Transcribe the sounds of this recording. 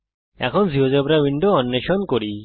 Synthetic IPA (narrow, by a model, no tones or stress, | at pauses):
ɛ̰kʰɔnziɦod͡ʒɔbɾawiɳɖoɔnːeʃɔnkoɾi